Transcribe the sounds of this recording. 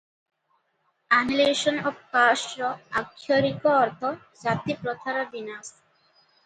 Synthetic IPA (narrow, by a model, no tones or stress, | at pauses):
anileʃɔnɔbkasɾɔakʰːoɾikoɔɾt̪ʰɔ | d͡ʑat̪ipɾot̪ʰaɾabinas